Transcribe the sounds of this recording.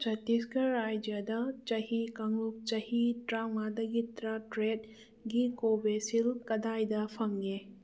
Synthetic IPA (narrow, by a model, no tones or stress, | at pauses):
t͡ʃɐtiskɐɾajd͡ʒjadɐt͡ʃɐhikɐŋuk̚t͡ʃɐhitɾamadɐɡitɾatɾet̚ | ɡikobesilkɐdajdɐpʰɐŋɡe